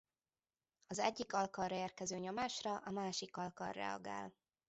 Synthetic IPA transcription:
ɒzɛɟːikɒlkɒlrɒeːrkɛzøːɲo̞maːʃrɒʔɒmaːʃikɒlkɒ̰rːɛ̰ɒ̰ɡa̰ːl

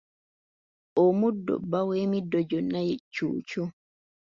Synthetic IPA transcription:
ʔɔmudːɔ̰bawemidɔd͡ʒɔnajɛt͡ʃːṵːt͡ʃu

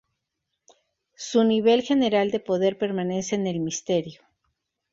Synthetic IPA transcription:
suniβ̞e̞lxe̞ne̞ɾald̪e̞po̞ðe̞ɾpe̞ɾmane̞seːne̞lmist̪e̞ɾjo

